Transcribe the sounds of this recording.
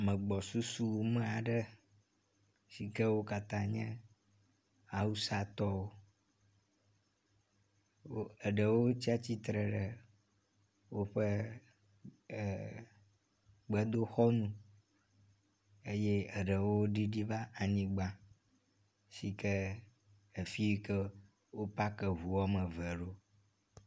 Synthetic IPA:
mə̃˨ɡ͡bɔ˨su˦su˦wo˨mẽ˦a˨ɖə˦ | si˨kɛ˦wo˦ka˨t̪ã˦ɲɛ̃˦ | a˨wu˦sa˨t̪ɔ˦wo˦ | wo˦ə˨ɖə˨wo˦t͡ɕi˦a˦t͡ɕi˦t̪ɾə˨ɖə˨ | wo˦ɸə˦˨ | ɡ͡bɛ˦d̪o˦xɔ˦nũ˦ | e˦je˦ə˨ɖə˨wo˦ɖi˦ɖi˦va˦a˨ɲĩ˦ɡ͡ba˦ | si˨kə˦ | e˨fi˦wi˦kɛ˦ | wo˦pa˦kɛ˨ɦu˨wɔ˦mə̃˨vɛ˨ɖo˦

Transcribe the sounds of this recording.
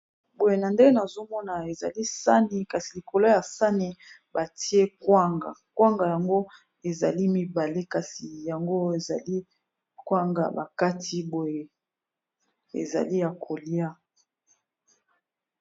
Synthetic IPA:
bo˨je˨na˨nde˦ŋɡe˦na˨zo˦mɔ˦na˨e˨za̰˨li˦sa˦ni˨ka˨si˨li˨ko˨lo˦ja˨sa˦ni˨ | ba˨tʰi˦e˦kwa˦ŋɡa̰˨kwa˦ŋɡa˨ja˨ŋɡo˦ | e˨za̰˨li˦mi˦ba˨le˦ka˨si˨ja˨ŋɡo˦e˨za̰˨li˦ | kwa˦ŋɡa̰˨ba̰˨ka˦tʰi˦bo˨je˨ | ḛ˨za̰˨li˦ja˨kʰo˨li˦a˦

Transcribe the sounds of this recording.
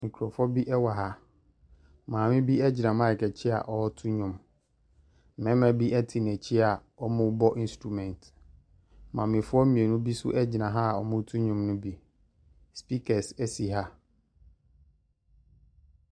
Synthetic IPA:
mĩ˨kʰu˨ɾɔ˨fɔ˦bi˦ʔɛ˦wa˨ɦa˦ | mãː˨mɪ̃˦bi˦ɛ˦d͡ʑɪ˨nã˨mã˦ɪ˨kʰɛ˨t͡ɕʰɪ˦a̰˨ʔɔ˦tʰu˦ɲʊ̃˨m˨ | mɛ̃˦mæ̃˨bi˦ʔɛ˦tʰɪ˨n˨æ̃˨t͡ɕʰi˦a˨ | ɔ˦mʊ̃˦bɔ˦ʔĩ˦n˦stɾu˨mɛ̃˨nt | mã˨mɪ̃˨fʊ˦ɔ˦mĩ˨e˨nʊ̃˦bi˦sʊ̰˦ʔɛ˦d͡ʑɪ˨nã˨ɦa˦˨ɔ˨mʊ̃˦tʰũ˦ɲʊ̃˨mnʊ̃˦bi˦ | spi˦kʰɛ˨ssi˨ɦa˦

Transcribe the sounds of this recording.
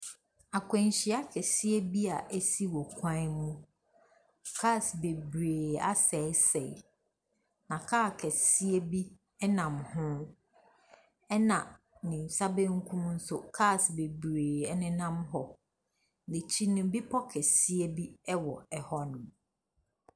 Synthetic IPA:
a˨kʷʰɛ̃˨n˨ɕi˨˦a˦kʰɛ˨si˦e˦bi˦a˨ʔe˦si˦wɔ˨kʷʰã˦mũ˦ | kʰa˦˨sbe˨bɾeː˨a̰˦sɛ˨˦sɛ̰˨ | nã˨kʰaː˦˨kʰɛ˨si˦e˦bi˦ | ɛ˦nã˨mhʊ̃˦ | ɛ˦nã˨ | nɪ̃˨n̩˨sa˦be˦ŋ̩˦kʰũ˦mn̩˦sʊ˦kʰa˦˨sbe˨bɾeː˨ɛ˦nɪ̃˦nã˦mɦɔ˨ | ne˨t͡ɕʰi˦nʊ̃˨˦bi˦pʰɔ˦kʰɛ˨si˦e˦bi˦ɛ˦wɔ˨ɛ˨hɔ˦nʊ̃˨m

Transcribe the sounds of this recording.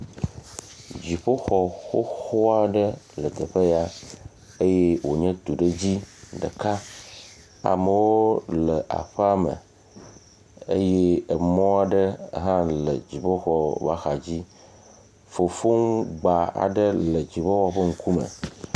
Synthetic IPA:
d͡ʑi˨ɸo˦xɔ˨xo˦xo˦a˨ɖə˦lə˨t̪ə˨ɸe˦ja˦ | e˦je˦wo˨ɲɛ̃˦t̪u˨ɖə˦d͡ʑi˦ɖə̰˨ka˦ | a̰˨mə˨wo˦lə˨ʔa̰˨ɸə˦a˦mə̰˨ | ə˦je˦ə˨mɔ̃˦a˨ɖə̰˦˨ɦã˦lə˨d͡ʑi˨ɸo˦xɔ˦ba˦xa˨d͡ʑi˦ | fo˨fo˦ŋ˦ɡ͡ba˨a̰˨ɖə˦lə˨d͡ʑi˨ɸo˦wɔ˦ɸə˦ŋ̩˦kʰu˦mə̰̃˨

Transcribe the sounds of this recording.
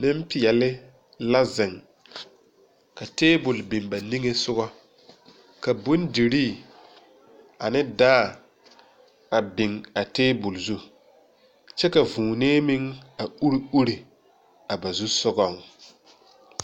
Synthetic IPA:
nɪ˦m˦pɪ˨jɛ˨lɪ˦ | la˦zɪ˨ŋ | ka˨teː˦bʊ˨lbi˨mba˨ni˦ŋe˦sʊ˦ɣɔ˦ | ka˨bu˦ndi˨ɾiː˦˨ | a˨nɪ˦daː˦˨ | a˨bɪ˨ŋa˨teː˦bʊ˨lzu˦ | t͡ʃɛ˦ka˨vũː˨neː˦mi˦ŋa˨u˦ɾi˦u˦ɾi˨ | a˨ba˨zu˦sʊ˦ɡɔ˦˨ŋ

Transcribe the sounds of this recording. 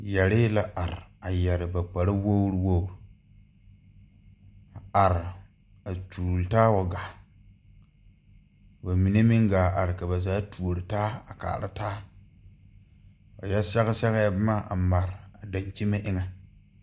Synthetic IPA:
jɛ˨ɾɪː˦la˦ʔa˨ɾɪ˨a˨jɛ˨ɾɪ˨ba˨k͡pa˨ɾa˦wo˦wɾwo˦ɾu˨ | a˨a˨ɾɪ˨ | a˨tuː˨ltaː˦o˨ɡa˨ | kba˨mi˨ne˦mɪ˦ŋɡaː˨ʔa˨ɾɪ˨ka˨ba˨zaː˦tu˨o˨ɾɪ˨taː˦a̰˨ka̰ː˨ɾɪ˦taː˦ | o̰˨jɛ˦sɛ˦ɣɪ˦sɛ˦ɣa˦ja˦bma˦ʔa̰˨ma˨ɾɪ˨a˨da˨ɲkʲi˦me˦ʔɪ˦ŋa˦

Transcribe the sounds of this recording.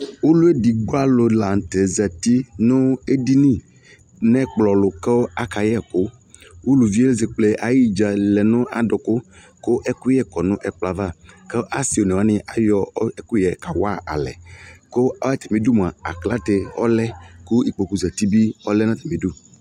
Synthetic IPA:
wo˦lu˦e˦di˨ɡ͡bo˦a˦lʊ˨la˨n˨t̪e˨zɛ˨t̪i˦nʊ̃˦e˦di˦nĩ˦˨ | nɛ̃˦k͡plɔ˨lʊ˨ke˦wo˦a˦ka˨jɛ˦˨kʊ˦ | wo˦lu˨vi˦e˦le˦ze˨k͡ple˦ʔa˨ji˦d͡ʒa˨lɛ˨nʊ̃˦a˨dʊ˨kʊ˦ | ko˦ʔɛ˦kʊ˦jɛ˦kɔ˨nʊ̃˦ʔɛ˨k͡pla˨va˦˨ke˦ʔa˦si˨o˨nɛ̃˨wa˨˦nɪ̃˦ʔa˨jɔ˦ɛ˦kʊ˦jɛ˨ka˨wa˦˨ʔa̰˨lɛ̰˨ko˦a˦jɛ˦t̪ɛ˨mĩ˨˦du˦m˨a˨a̰˨kla˦t̪e˨ɔ̰˦lɛ˦kʊ˦i˨k͡po˨ku˨zɛ˨t̪i˦bi˦ɔ˦lɛ˦nã˦t̪ɛ˨mĩ˨du˦˨

